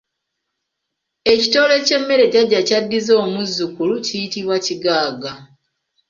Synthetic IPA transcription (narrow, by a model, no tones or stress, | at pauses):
e̞cito̞ːle̞ce̞mːe̞ɾe̞ɟaɟːacadːizo̞ːmuzːukulucijitiβwaciɡaːɡa